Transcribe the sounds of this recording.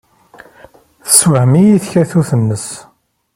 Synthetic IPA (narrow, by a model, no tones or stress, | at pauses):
θə̥swəhmijiθçæθuθənːəs